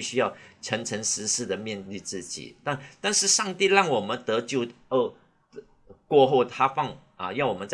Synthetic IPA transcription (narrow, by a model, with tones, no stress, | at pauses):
i˥˧ɕy˥jɑ˥˩ʊʈ͡ʂʰə˧˥ŋʈ͡ʂʰə˧˥ŋʂɻ̩˧˥ʂɻ̩˥˩d̪ə˩mjɛ˥˧nli˥˧t͡sɹ̩˥˩t͡ɕḭ˨˩t̪a˥˧nt̪a˥˧nʂɻ̩˥˧ʂɑ˥˧ŋt̪i˥˧lɑ˥˩ŋwɔ˨˩mə˨˦nt̪ɤ˧˥t͡ɕjo˥˩ʊə˥˩ | kwɔ˥˧xo˥˩ʊt̪ʰa˥fɑ˥˩ŋ | ɐ̰˨˩jɑ˥˩ʊwɔ˨˩mə˦t͡sa˥˩